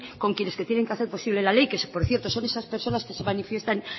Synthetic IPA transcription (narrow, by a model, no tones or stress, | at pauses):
ko̞ŋkjene̞ske̞t̪jene̞ŋkaθe̞ɾpo̞siβle̞lale̞jkespo̞ɾθje̞ɾt̪o̞so̞ne̞saspe̞ɾso̞naske̞se̞manifje̞st̪aŋ